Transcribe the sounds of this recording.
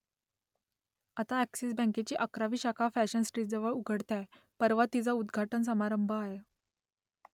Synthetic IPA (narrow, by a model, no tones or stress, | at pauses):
at̪aæksisbə̃ket͡ɕiːʔəkɾaʋiːɕakʰafæɕənsʈɾiːd͡zəʋəɭuɡʱəɽt̪a | pəɾʋat̪ːid͡zaud̪ɡʱaʈəns̬əmaɾəmbʱəaɦe